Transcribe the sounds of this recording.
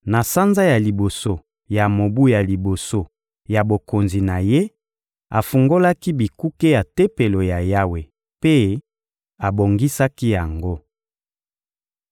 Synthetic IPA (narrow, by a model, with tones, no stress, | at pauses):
na˨sa˦nza˦ja˨li˨bo˨so˦ | ja˨mo˨bu˦ja˨li˨bo˨so˦ | ja˨bo˨ko˨nzi˨na˨je˦ | a˨fu˨ŋɡo˦la˦ki˦bi˨ku˦ke˦ja˨te˦pe˨lo˨ja˨ja˦we˨ | pe˦ | a˨bo˨ŋɡi˦sa˦ki˦ja˨ŋɡo˦